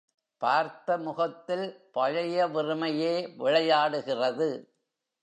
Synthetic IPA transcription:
paːɾt̪ɐmʊɣɐt̪ːɪlpɐɻɐjɐʋɪrɯmɐjeːʋɪɻɐjaːɽɯɣɪrɐðɯ

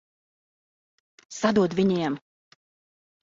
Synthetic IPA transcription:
sad̪uɔt̪vʲiɲiɛm

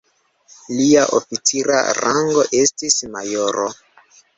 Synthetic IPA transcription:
liaʔofit͡siɾa̰ɾaŋɡo̞ʔe̞stismajoɾo

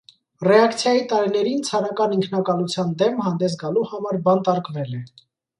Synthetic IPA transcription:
rɛɑkt͡sʰjɑjit̪ɑɾinɛɾint͡sʰɑɾɑkɑniŋkʰnɑkɑlut͡sʰjɑnd̪ɛmhɑnd̪ɛs̬ɡɑluhɑmɑɾbɑnt̪ɑɾkvɛlɛ

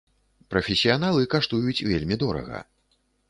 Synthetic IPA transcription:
pɾɐfʲesʲijanalˠɨkaʂt̪ujut͡sʲvʲelʲmʲid̪ɔɾɐ̰ɣɐ̰

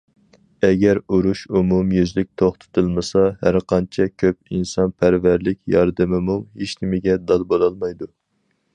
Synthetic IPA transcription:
ɛɡʲæɾuɾuʃumumjyzlɪk̚ʲt̪ʰoχt̪ʰɨ̥t̪ʰɨlˠmɨsɑhæɾqʰɑnt͡ʃʰɛkʲʰøp̚insɑnpʰæɾvæɾlɪkʲjɑɾd̪ɨmɪmuɦeʃnɪmɪɡʲɛd̪ɑlˠbolˠɑlˠmɑjd̪u

